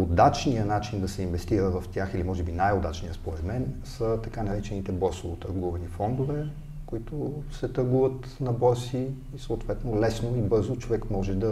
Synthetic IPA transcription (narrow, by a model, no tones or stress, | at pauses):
od̪at͡ʃnijənat͡ʃind̪ɐsɛinvɛst̪iɾəvɐft̪ʲaxilimɔʒɛbinajod̪at͡ʃnijəspoɾɛd̪mɛnsət̪ɐkanɐɾɛt͡ʃɛnit̪ɛbɔɾsovot̪ɐɾɡuvɐnifɔnd̪vɛ | koit̪ʊsɛt̪ɐɾɡuvət̪ | nɐbɔɾsiː | sɐʊt̪vɛt̪nolɛsnoibɤɾzot͡ʃovɛkmɔʒɛd̪ɐ